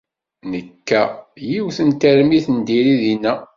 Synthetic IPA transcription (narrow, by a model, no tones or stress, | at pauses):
nəkːæjiwθənt̪əɾmiθənd̪iɾiðinːæ